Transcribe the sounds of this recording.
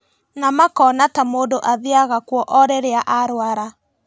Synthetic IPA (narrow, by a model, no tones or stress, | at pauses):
namakɔnatamoːdoʔaðeaɣakwɔʔɔɾɛɾeaʔaɾwaɾa